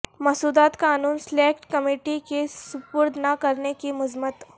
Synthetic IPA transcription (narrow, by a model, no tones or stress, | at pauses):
mɐsuːd̪aːt̪kaːnuːnsleːkʈkɐmeːʈikesʊpʊɾd̪ʱnakɐɾnekimʊzmət̪